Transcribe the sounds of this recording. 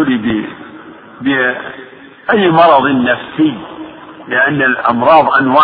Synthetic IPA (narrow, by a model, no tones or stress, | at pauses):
libɪ | bɪ | ʔajːmɑɾˤɑðˤɪnːafsɪjː | lɪʔanːalʔɑ̰mɾˤɑːðˤʔanwaː